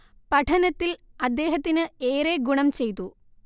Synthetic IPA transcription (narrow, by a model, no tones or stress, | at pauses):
pɐʈʰɐnɐt̪ːilɐd̪ːe̞ːɦɐt̪ːinɨeːɾeːɡuɳɐmt͡ɕe̞jt̪ːu